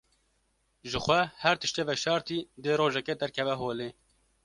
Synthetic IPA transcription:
ʒɨxʷɛhɛɾt̪ɨʃt̪eːvɛʃɑːɾt̪iːd̪eːɾoːʒɛkeːd̪ɛɾkʰɛvɛɦoːleː

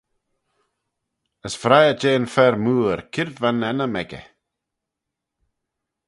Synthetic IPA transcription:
əsfɾajəd͡ʒeːnfɛɾmuːəɾkʰɪɾvvanɛnəmɛɡə̰

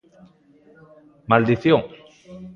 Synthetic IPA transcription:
mald̪iθjoŋ

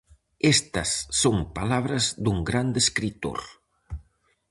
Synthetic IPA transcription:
est̪ɐsːoŋpalaβ̞ɾɐzðuŋɡɾand̪eskɾit̪o̰ɾ

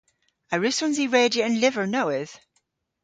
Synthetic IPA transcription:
aɹʉsɔ̃nziɹɛːdəə̃nlɪvəɹnoʊɪð̥

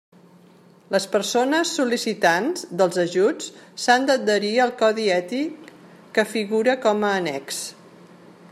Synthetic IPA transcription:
ləspəɾsonəsːulisit̪anzd̪əlˠzəʒut͡ssand̪əəɾiəlˠkɔðiɛt̪ikː | əfiɣuɾəkɔməːnɛ̰ks

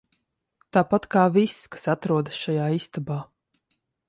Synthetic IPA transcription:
t̪aːpat̪kaːvisːkḁsat̪ɾuɔd̪asʃajaːist̪abaː

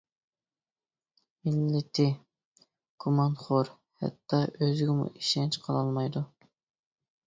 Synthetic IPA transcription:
milːɪt̪ʰɪ | kʰumɑnχoɾ | hɛ̰t̪ʰːɑʔøzɪɡʲɪmṵʔiʃɛnt͡ʃqʰɑlˠɑlˠmɑjd̪u

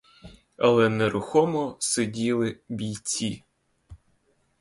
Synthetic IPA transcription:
ɐlˠɛnɛɾʊxɔmɔsedʲilˠɪbʲijt͡sʲi

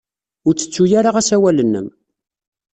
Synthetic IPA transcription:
ʊɾt͡sːə̥t͡sːujaɾaʁæsæwælənːə̰m

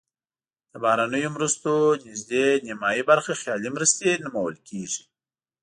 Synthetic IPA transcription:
d̪̥əbɑhɾanəjomɾəst̪onɪzd̪enɪmɑjibaɾxaxjɑlimɾəst̪enʊmawə̰lkʰeʐi̥

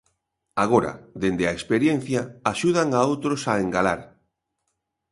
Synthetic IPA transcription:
aɣoɾa̰ðend̪eaekspeɾjen̟θjaaʃuð̞aŋaowt̪ɾosaeŋɡalaɾ

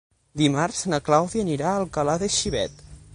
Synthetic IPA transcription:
d̪imarz̥nəklawðiəniɾaəlˠkəlaðəʃiβɛ̰t̪

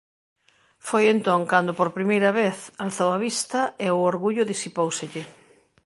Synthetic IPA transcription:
fojent̪õŋkand̪ʊpoɾpɾimejɾɐβeθalθowaβist̪ɐeʊoɾɣuʎʊðisipowsɪʎɪ

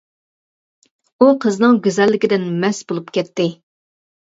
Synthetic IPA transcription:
uqʰəznɨŋɡʲezɛlːɪkʲɪd̪ɪnmɛsbolˠupkʲɛt̪ːɪ

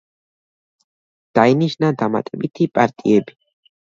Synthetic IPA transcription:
d̪̥ainiʃnad̪ama̰t̪ʼɛbit̪ʰipʼaɾt̪ʼiɛbi̥

